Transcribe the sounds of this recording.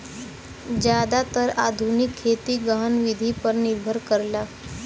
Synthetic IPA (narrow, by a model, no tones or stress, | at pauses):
d͡ʑjad̪at̪əɾad̪ʱunikʰːet̪iːɡaɦənʋid̪ʱipəɾniɾbʱəɾkəɾla